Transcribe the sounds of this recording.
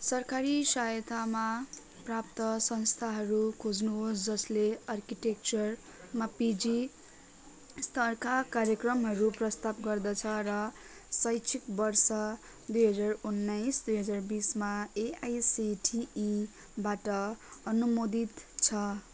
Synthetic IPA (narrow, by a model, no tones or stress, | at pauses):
sʌrkaɾisajt̪ʰama | prap̚t̪ʌsʌnst̪ʰaɦʌɾukʰod͡znuɦosd͡zʌsleʌrkiʈek̚t͡sʌr | mapid͡zi | st̪ʌrkakarjʌkrʌmɦʌɾuprʌst̪abɡʌrd̪ʌt͡sʰʌrʌ | sʌjt͡sʰikbʌrsʌ | d̪ujɦʌd͡zarunːajsd̪ujɦʌd͡zarbismaeajsiʈʰiː | baʈʌʌnumod̪it̪t͡sʰʌ